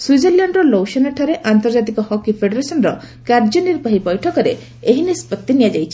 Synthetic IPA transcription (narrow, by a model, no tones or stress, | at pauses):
sujd͡ʒelaɳɖɾɔlowʃɔnaʈʰɔɾeʔant̪ɔɾd͡ʒat̪̬ikɔhɔkipʰeɖeɾesɔnɾɔ | kaɾd͡ʒɔniɾbaɦipɔjʈʰɔkɔɾḛ | eɦinispɔt̪ːinijad͡ʒajt͡ʃʰi